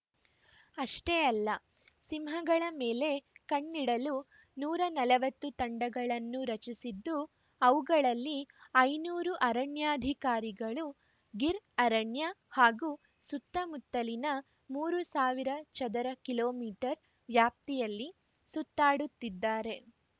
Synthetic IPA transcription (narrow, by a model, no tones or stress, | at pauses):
ɐʂʈeɐlːɐ | simɦɐɡɐɭɐmeːle̞kɐɳːiɽɐlu | nuːɾɐnɐlɐʋɐt̪ːut̪ɐɳɖɐɡɐɭɐnːuɾɐt͡ʃisid̪ːu | ɐʋuɡɐɭɐlːiɐjnuːɾuʔɐɾɐɳjaːɐd̪ʱikaːɾiɡɐɭu | ɡiɾɐɾɐɳjɐhaːɡuː | sut̪ːɐmut̪ːɐlinɐ | muːɾusaːʋiɾɐt͡ʃɐd̪ɐɾɐkiloːmiːʈɐɾ | ʋjaːp̚t̪ijɐlːi | sut̪ːaːɽut̪ːid̪ːaːɾe̞